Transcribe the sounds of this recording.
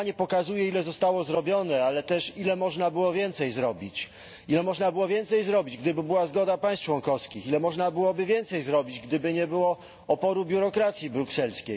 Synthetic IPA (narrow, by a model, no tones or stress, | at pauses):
aɲɛpɔkazujɛilɛzɔst̪awɔzɾɔbʲjɔnɛalɛt̪ɛʂilɛmɔʐnabɘwɔvʲjɛnt̪sɛjzɾɔbʲit͡ɕ | ilɛmɔʐnabɘwɔvʲjɛnt̪sɛjzɾɔbʲid͡ʑɡd̪ɘbɘbɘwazɡɔd̪apaj̃st̪t͡ʂwɔŋkɔfskʲixilɛmɔʐnabɘwɔbɘvʲjɛnt̪sɛjzɾɔbʲid͡ʑɡd̪ɘbɘɲɛbɘwɔ | ɔpɔɾubʲjuɾɔkɾat̪sʲjibɾuksɛlskʲej